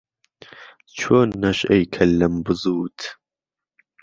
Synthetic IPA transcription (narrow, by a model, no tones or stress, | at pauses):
t͡ʃʰoːnːɐʃejkʰɐlːɐmbɨzuːt̪ʰ